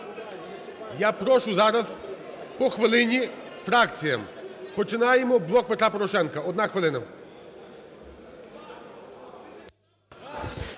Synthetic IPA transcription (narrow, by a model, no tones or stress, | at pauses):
japɾɔʃʊzaɾɐz | pɔxʋɐlˠɪnʲifɾakt̪sʲijɐmpɔt͡ʃɪnajɛmɔblˠɔk̚pɛt̪ɾapɔɾɔʃɛnkɐɔd̪naxʋɐlˠɪnɐ